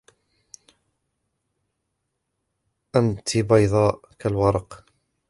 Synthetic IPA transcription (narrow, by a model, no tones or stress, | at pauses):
ʔant̪ibɑjðˤɑːʔ | kalwɑɾˤɑq